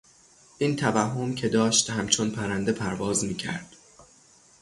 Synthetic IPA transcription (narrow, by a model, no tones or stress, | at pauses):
ʔiːnt̪ʰævæɦːo̞mcʰe̞d̪ɒːʃt̪hæmt͡ʃʰonpʰæɾænd̪e̞pʰæɾvɒːzmiːcʰæ̰ɾd̪̥